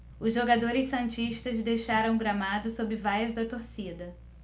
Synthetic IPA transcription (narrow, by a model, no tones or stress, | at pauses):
ʊzʒoɡad̪oɾɪssɐ̃nt͡ʃiʃt̪ɐzd̪ejʃaɾɐ̃w̃ɡɾamad̪ʊsobɪvajɐzd̪ɐt̪oɾsid̪ɐ